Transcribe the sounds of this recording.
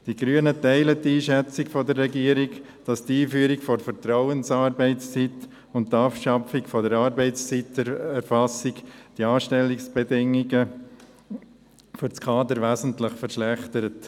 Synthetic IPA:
d̥iɡɾyənətɛɪlətːiːʃɛt͡sɪkfɔdəɾːɛɡiːəɾiɡ | d̥ɑstiːfyəɾikfɔɾfəɾtɾɔʊənsɑːɾbɛɪt͡st͡sit | ʊnttːɑːpʃɑfɪkfɔdəɾɑːɾbɛɪt͡st͡sitɛɾfɑsikd̥iɑːʃtɛlːiksb̥ɛdɪŋiɡə | fʏɾt͡skʰɑːd̪əɾʋæːzn̩tləχfəɾʃlæχt̪əɾət

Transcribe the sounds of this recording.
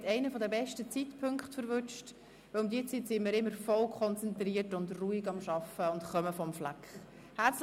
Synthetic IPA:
tɛɪnəfɔdəbɛʃtət͡sitpʰʏŋkχtfəɾvʏt͡ʃt | vɪlʊmd̪iːət͡sitsɪmiːɾɪmːəɾfɔlkʰχɔnt͡sɛnt̪riːətʊndruːiɡɑmʃɑfəʊntχœməfɔmflɛkχ | hæt͡s

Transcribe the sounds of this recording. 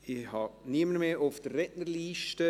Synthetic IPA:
ihɑniəməɾmeːʔʊfd̥ərːɛʔnəliːʃtə

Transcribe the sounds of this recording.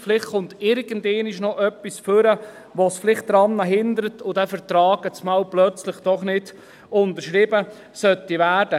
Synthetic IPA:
flɪχtχʊntɪɾɡ̥əndɛːniʃnɔʔœpːisføɾə | ʋosflɪχt̚d̥ɾɑnːɑɦɪnd̪əɾətʰʊd̥ɛfəɾt̪ɾɑːɡət͡smɑːwplœt͡sləχd̥ɔχnɪd̥ | ʊntəʃɾɪbə | sœtːiʋæːɾd̥ə

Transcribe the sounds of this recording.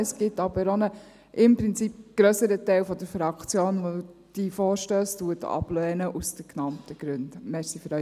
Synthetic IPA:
əsɡ̥ɪtɑb̥əɾonə | ʔɪmpɾɪnt͡sip̚ɡ̥ɾœsəɾətɛɪlfɔd̪əɾfɾɑkt͡sjoːnʋɔdud̥ifoːɾʃtøːstuətɑ̰b̥lɛːnəʔusd̥əknɑmtəɡ̥ɾʉndmɛsiføɾœ

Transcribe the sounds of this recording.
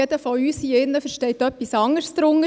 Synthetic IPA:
ed̥̪əfɔyːsiɪnːəfɛɾʃtɛɪtœpːisɑŋəɾsd̥̪ɾʊŋə

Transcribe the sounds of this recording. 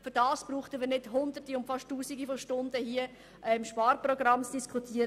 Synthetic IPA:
fʏɾdɑːsb̥ruːχtəviɾnɪdhʊndətiʊmtfɑʃtːuːsiɡifɔʃtʊndəhiə | ʔɛmʃpɑːɾprɔɡrɑmt͡sd̥iskʰutʰiːəɾ

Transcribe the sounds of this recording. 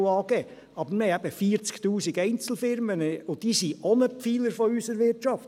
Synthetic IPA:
ɑːɡɛː | ɑbəɾməhɛɪæb̥əfiːəɾt͡sktuːsiɡɛɪnt͡sl̩ˠfɪɾmənəʊdiːsiɔnəpfiːləɾfɔysəɾʋɪɾtʃɑft

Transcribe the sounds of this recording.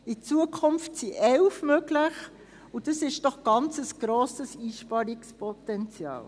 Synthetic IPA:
it͡suəkʰʊmftsiʔɛlfmøɡlɪχ | ʊd̥ɑsɪʃd̥ɔχɡ̥ɑnt͡səsɡ̥ɾoːsəsiːʃpɑɾikspʰɔtɛnt͡sjɑ̰ːl

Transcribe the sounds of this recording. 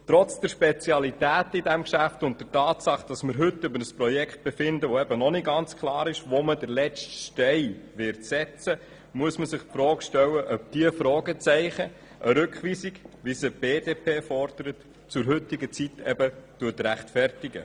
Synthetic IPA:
t̪ɾɔt͡sd̥əɾʃpɛt͡sjɑlitæːtɪdæmkʃæftʊnt̚d̥əɾtɑːtsɑχd̥ɑsməɾɦɵtːʏbəɾəspɾɔjɛkχt̚b̥ɛfɪndəʋoɛbənɔnɪɡɑnt͡skʰlɑːɾɪʃʋomədəɾlɛt͡stʃtɛɪʋɪɾtsɛt͡sə | muəsməsɪχpfɾɔːkʃtɛwəʔœp̚d̪̥iəfɾɔːɡət͡sɛɪχə | ʔəɾʏkχʋiːsiɡʋisəb̥eːdeːpʰeːfɔɾd̪̥əɾət | t͡sʊɾɦʏtɪɡət͡sitɛ̰bətuətɾæχtfɛrtɪɡə̰

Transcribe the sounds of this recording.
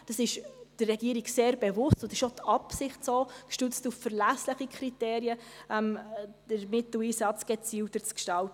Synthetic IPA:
d̥ɑsɪʃd̥ərːɛɡiːəɾiɡseːɾbɛvʊstʊndɪʃot̪ʰɑpsɪχtsoːkʃtʉt͡stuffəɾlæsləχikʰɾiteːɾiəʔɛmd̥əɾmɪtliːsɑt͡sɡ̥ɛt͡siːwtət͡skʃtɑltə

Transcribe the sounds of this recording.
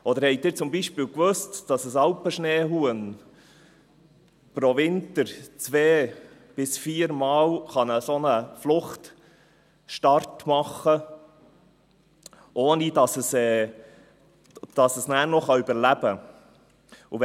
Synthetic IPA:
ʔɔd̥̪əɾhɛɪdɪːɾt͡sʊmbiʃpiːlkʋøstd̥ɑsəsɑlpəʃneːɦuən | pɾoʋɪntəɾt͡sʋeː | b̥ɪsfiːəɾmɑːlχɑnəsonəflʊχt | ʃtɑɾtmɑχːə | ʔoːnidɑsəsɛː | d̥ɑsəsnæːɾnɔχɑybəɾlæb̥ə | uʋ

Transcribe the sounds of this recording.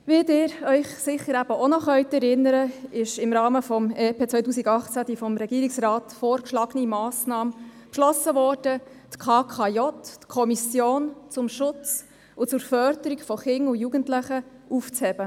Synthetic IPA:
ʋidɪːɾœʏχsɪχːəɾæb̥əʔonɔχœʏt̪ɛɾɪnːəɾəɪʃɪmɾɑːməfɔmeːpeːt͡sʋœjtuːsiɡɑχt͡sæd̥̪ifɔmɾɛɡiːɾiksrɑːt̪foːɾkʃlɑɡənimɑːsnɑːmpʃlɔsəʋɔːrd̥ət̪kʰɑːkʰɑjɔttkʰɔmisjoːnt͡sʊmʃʊt͡s | ʊt͡sʊɾfœɾd̪əɾikfɔχɪŋʊjuːɡəntlɪχəuft͡shɛb̥ə

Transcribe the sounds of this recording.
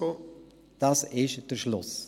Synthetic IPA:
o | d̥asɪʃd̥əʃlʊs

